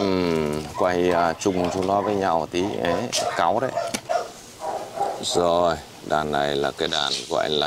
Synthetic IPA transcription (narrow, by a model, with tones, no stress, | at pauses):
kwa˨˩˨əː˨˩t͡ɕʊ˨˩ŋ͡mt͡ɕo˧lwaː˧vəː˨˦jɲa˨˩wt̪ʰi˨˦ʔe˨˦ka˨˦wɗə˨˦ | zo˨˩j | ɗaː˨˩nːa˨˩jlaː˨˩kaː˨˦jɗaː˨˩nɣwa̰ː˧˨jlaː˨˩